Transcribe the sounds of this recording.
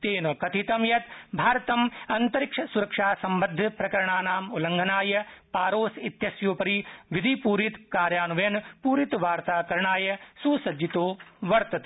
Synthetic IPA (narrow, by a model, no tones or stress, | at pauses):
t̪eːnɐkɐt̪ʰit̪ɐmjɐt̪bʱaːɾɐt̪ɐmɐnt̪ɐɾikʂɐsuɾɐkʂaːsɐmbɐd̪ʱːɐpɾɐkɐɾɐɳaːnaːmulɐŋɡʱɐnaːjɐpaːɾoːsit̪jɐsjoːpɐɾiʋid̪ʱipuːɾit̪kaːɾjaːnuʋenpuːɾit̪ʋaːɾt̪aːkɐɾɐɳaːjɐsuːsɐd͡ʒit̪oːʋɐɾt̪ɐt̪